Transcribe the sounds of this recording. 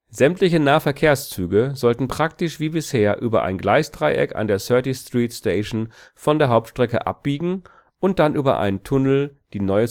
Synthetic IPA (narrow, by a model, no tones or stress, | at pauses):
zɛmtʰlɪçənaːfɛɐkʰeːɐst͡syːɡəzɔltn̩pʁ̥ak̚tɪʃv̥iːbɪsheːɐʔyːbɐ̰ʔa̰ɪnɡlaɪsd̥ʁaɪʔɛ̰ka̰ndeːɐsœɐtistʁ̥iːtsteɪʃn̩fɔndeːɐɦaʊp̚tʃtʁ̥ɛkə̰ʔa̰p̚b̥iːɡŋ̩ | ʔʊnt̚d̥anʔyːbɐ̰ʔa̰ɪnəntʰʊnl̩d̥iːnɔʏə